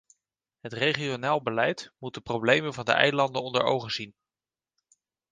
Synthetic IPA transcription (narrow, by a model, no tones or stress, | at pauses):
ɦətrejχionaːlˠbəlɛjtmut̚dəprowblejmənvɑndə̰ʔɛ̰jlɑndənɔndə̰ɹo̰wχəzin